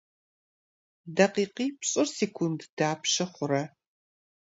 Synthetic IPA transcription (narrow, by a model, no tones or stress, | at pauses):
dɐqiːqiːpɕʼɪrseːkʷʰʊndd̥aːpʃɐχʷʊɾɐ